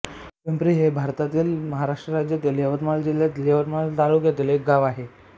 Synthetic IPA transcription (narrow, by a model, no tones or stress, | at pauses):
pempɾiːɦebʱaɾt̪at̪iːlməɦaɾaʂʈɾəɾad͡ʑjət̪iːleʋət̪mald͡ʑiljat̪ileʋət̪malt̪alukjet̪ilek̚ɡaʋaɦe